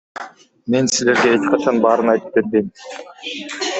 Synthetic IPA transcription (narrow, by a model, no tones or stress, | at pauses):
me̞nsizle̞ɾɡe̞et͡ʃqɑt͡ʃʰɑnbɑːɾɯnɑjt̪ɯ̥p̚ːe̞ɾbejm